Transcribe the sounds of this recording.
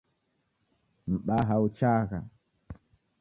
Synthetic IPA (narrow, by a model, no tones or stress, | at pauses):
m̩ɓaɦaut͡ʃaɣa̰